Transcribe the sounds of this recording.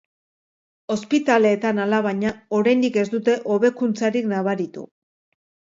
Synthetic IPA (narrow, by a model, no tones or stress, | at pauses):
o̞spit̪ale̞ːt̪analaβaɲao̞ɾajnd̪ike̞zd̪ut̪e̞ʔo̞βe̞kunt͡saɾiknaβaɾit̪ṵ